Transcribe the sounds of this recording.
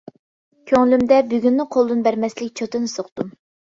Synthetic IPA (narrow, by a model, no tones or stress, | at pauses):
kʲʰøŋlymd̪ɛbyɡʲynːɨqʰolˠd̪ɨnbæɾmɛslɪk̚ʲt͡ʃʰot̪ɨnɨsoqt̪um